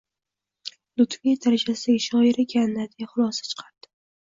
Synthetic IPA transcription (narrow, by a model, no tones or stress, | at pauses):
lʊt̪vijt̪ʰaɾad͡ʒasɪʃɒɪɾɪkʲʰanːad̪jaχʊlˠɒsḁt͡ʃʰɨ̥qʰaɾd̪̥ɪ̥